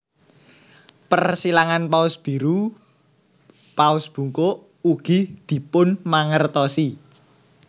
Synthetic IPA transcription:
pərsilaŋanpaʊsb̥i̤ɾu | paʊsb̥ṳŋkoʔ | uɡ̥id̪̥i̤pʊnmaŋərt̪ɔsi

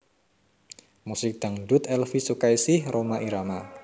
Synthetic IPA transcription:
musɪk̚d̪̥a̤ŋdut̪ɛlfisukajsɪhromaʔiɾama

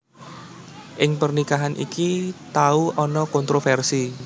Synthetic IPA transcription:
ʔɪŋpərnikaɦanʔḭkit̪auɔnɔkɔnt̪ɾofɛrsi

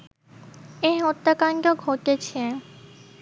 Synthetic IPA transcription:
ejɦɔt̪ːakanɡoɡʱoʈet͡ɕʰie

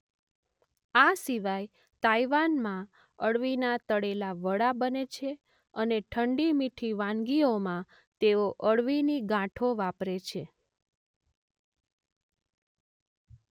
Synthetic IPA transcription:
asiʋaj | t̪ajʋanmã | əɽʋinat̪əɽelaʋəɽabənet͡ʃʰe | əneʈʰəɳɖimiʈʰiʋãnɡiomã | t̪eoʔəɽʋiniɡãʈʰoʋapɾet͡ʃʰe

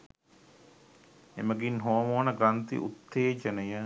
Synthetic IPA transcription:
eməɡinɦoːmoːnɐɡɾɐnt̪ḭʔṵt̪ʰːeːd͡ʒɐnəjə

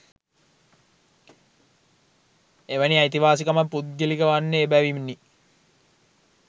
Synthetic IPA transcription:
eʋəniajit̪iʋaːs̬ikamapːut̪̚ɡelikəʋanːəːbæʋimnːi

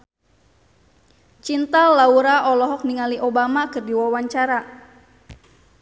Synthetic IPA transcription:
t͡ʃint̪alauɾaʔɔlɔɦɔk̚niŋaliʔobamakɨrdiwawaɲt͡ʃaɾa

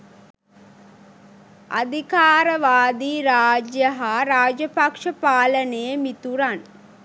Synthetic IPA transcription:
a̰d̪ʱikaːɾəʋaːd̪iːɾaːd͡ʒjəɦaɾaːd͡ʒjəpakʂəpaːlənejəmit̪uɾan

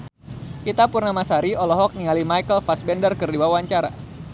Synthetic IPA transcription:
ʔit̪apurnamasaɾiɔlɔɦɔk̚niŋalimajkəlfasbɛndərkɨrdiwawaɲt͡ʃaɾa̰

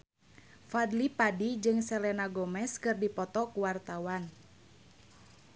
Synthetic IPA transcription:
fadlipadid͡ʒɨŋsɛlɛnaɡɔmɛskɨrdipɔt̪ɔkuwart̪awan

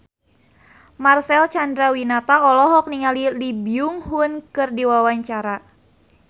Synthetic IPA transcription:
marsɛlt͡ʃandɾawinat̪aɔlɔɦɔk̚niŋalilibiuŋhunkɨrdiwawaɲt͡ʃaɾa

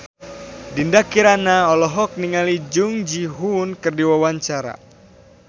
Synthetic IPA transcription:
dindakiɾanaɔlɔɦɔk̚niŋalid͡ʒuŋd͡ʒiɦunkɨrdiwawaɲt͡ʃaɾa̰

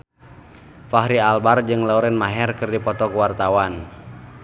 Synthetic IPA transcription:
faɦɾialbard͡ʒɨŋlauɾɛnmaɦɛrkɨrdipɔt̪ɔkuwart̪awan

